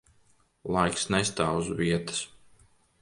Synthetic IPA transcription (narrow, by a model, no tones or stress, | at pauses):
lˠajksnɛst̪aːwzviɛt̪ɨ̥s